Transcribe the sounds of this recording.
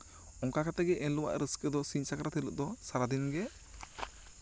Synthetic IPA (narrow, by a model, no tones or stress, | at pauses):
ɔŋkakat̪ɛɡɛʔɛnluwa̰ʔɾʔəskəd̪ɔsiɲsakɾat̪ʰilə̰ʔ̚d̪ɔsaɾad̪inɡɛ